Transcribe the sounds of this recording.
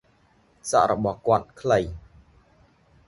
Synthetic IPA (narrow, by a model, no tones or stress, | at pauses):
sa̰ʔɾɔɓɑhkŏət̪̚kʰləj